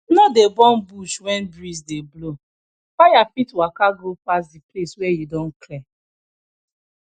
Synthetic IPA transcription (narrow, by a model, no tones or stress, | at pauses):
nɔdebɔ̃n̩buʃwɛ̃nbɾisdeblo | fajafitwakaɡɾupas̬dipleswɛjidɔ̃n̩kʰlɛ